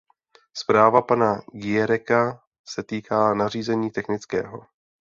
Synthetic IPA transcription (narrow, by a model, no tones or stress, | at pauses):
spɾaːvapanaɡɪjɛɾɛka | sɛt̪iːkaːnar̝iːzɛɲiːt̪ɛxnɪt͡skɛ̰ːɦo̞